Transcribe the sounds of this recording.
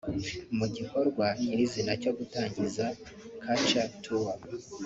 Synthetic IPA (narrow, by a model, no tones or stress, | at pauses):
muɟiko̞ɾɡwaɲiɾizinaco̞ɡutaːɲɟiza | kʰat͡ʃatʰuwa